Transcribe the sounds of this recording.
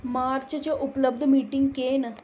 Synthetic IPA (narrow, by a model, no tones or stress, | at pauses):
maːɾt͡ʃt͡ʃəʔʊpləb̚d̪miːʈɪ̃ŋɡkeːn